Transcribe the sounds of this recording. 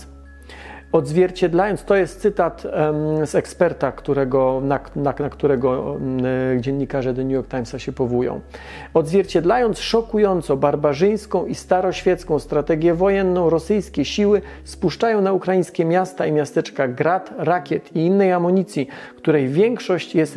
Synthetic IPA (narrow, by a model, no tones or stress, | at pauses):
ɔd̪zvʲjɛɾt͡ɕɛd̪lajɔnt̪st̪ɔjɛst̪sɘt̪at̪sɛkspɛɾt̪akt̪uɾɛɡɔnanaakt̪uɾɛɡɔ | d͡ʑɛɲːikaʐɛd̪ɛnʲujɔɾk̚t̪ajmsaɕɛpɔvujɔ̰̃w̃ | ɔd̪zvʲjɛɾt͡ɕɛd̪lajɔnt̪sʂɔkujɔnt̪sɔbaɾbaʐɘj̃skɔ̃w̃ist̪aɾɔɕfʲjɛt̪skɔ̃w̃st̪ɾat̪ɛɡʲjɛvɔjɛnːɔ̃w̃ɾɔsɘjskʲɛɕiwɘ | spuʂt͡ʂajɔ̃w̃naukɾajĩɲ̃skʲɛmʲjast̪aimʲjast̪ɛt͡ʂkaɡɾat̪ɾakʲjɛt̪iinːɛjamɔɲit̪sʲjikt̪uɾɛjvʲjɛŋkʂɔɕt͡ɕjɛst̪